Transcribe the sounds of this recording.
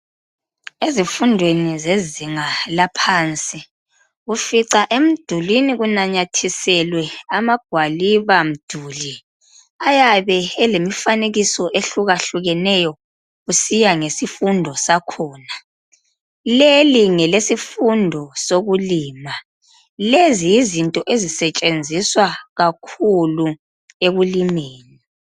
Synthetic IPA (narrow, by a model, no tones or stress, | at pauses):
ezifundʱwenizeziŋalapʰaːnt͡sʼi | ɣufiǀaʔem̩d̥ʱuliniɣunaɲatʰisɛlwɛamaɡ̥ʱwaliβam̩d̥ʱuːli | ajaβɛɛlemifaneɣisɔʔeɬuɣaɬuɣɛnɛjɔ | ɣusijaŋesifundʱɔsakʰɔːna | leliŋɛlesifundʱɔsoɣuliːma | lezijːzintʼɔʔezisɛt͡ʃʼend͡zʱiswaɣakʰulu | eɣulimeːni